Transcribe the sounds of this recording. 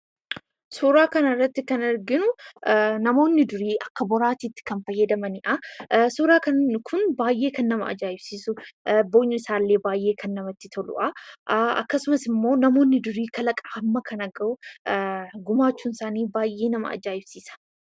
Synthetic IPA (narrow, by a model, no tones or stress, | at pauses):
suːɾaːkɐnɐɪrːɐt̪ːɪkɐnɪɾɡɪnʊ | nɐmo̞ːnːɪd̪ʊɾiːʔɐkːɐbɔɾaːt̪iːt̪ːɪ̥kɐnfɐjːɐd̪ɐmɐnɪʔɐsuːɾaːkɐnkʰʊnbaːjːe̞ːkɐnːɐmɐ̰ɐ̰d͡ʒaːʔɪbsiːsʊboːɲːʊɪsaːlːe̞ːbaːjʔe̞ːkʰɐnːɐmɐt̪ːɪt̪ʰɔlʊ̰ʔɐʔɐ̰kːɐsʊmɐsɪmːo̞ːnɐmo̞ːnːɪd̪ʊɾiːkʰɐlɐkʼaːmːɐkʰɐnɐɡɐʔʊ | ɡʊmaːt͡ʃːuːnɪsaːniːbaːjʔːeːnɐmɐ̰ɐ̰d͡ʒaːʔɪbsiːsɐ̥